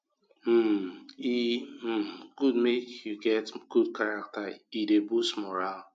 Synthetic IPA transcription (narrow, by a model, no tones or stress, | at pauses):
m̩i | ɡ̥ud̚mekjuɡɛtɡ̥ud̚kaɹak̚taidebustmɔɾal